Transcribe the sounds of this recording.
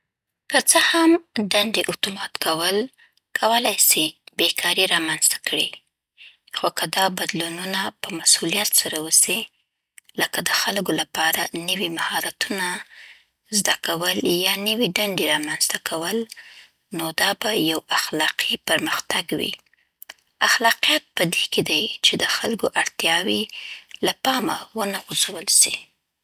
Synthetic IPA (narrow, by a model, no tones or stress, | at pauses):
kət͡səhamɖaɳɖeʔʊt̪umɑt̪kawəl | kʰawəlajsibekʰɑɾiɾɑmanz̥t̪ḁkɽi | xokəd̪ɑbad̪lununapəmasulijat̪saɾawusi | ləkad̪əxalɡolapɑɾanəwimahɑɾat̪una | zd̪akawəljɑnəwiɖaɳɖeɾɑmanzt̪akʰawəl | nod̪ɑbajawaxlɑqʰipaɾməxt̪aɡwḭ | axlɑqijat̪̚pəd̪eked̪ajt͡ʃed̪əxalkoʔaɽt̪jɑwilapɑma̰wənaɣuzawəlsḭ